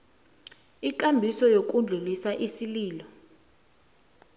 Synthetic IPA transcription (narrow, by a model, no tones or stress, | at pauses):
ik̬ʼambʱisɔjok̬ʼund͡ɮʱulisaʔisiliːlɔ